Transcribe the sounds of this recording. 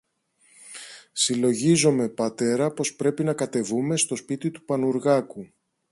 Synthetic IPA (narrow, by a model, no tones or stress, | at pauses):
silo̞ʝizo̞me̞pɐt̪e̞ɾɐpo̞spɾe̞pinɐkɐt̪e̞vume̞st̪o̞spit̪it̪upɐnuɾɣɐku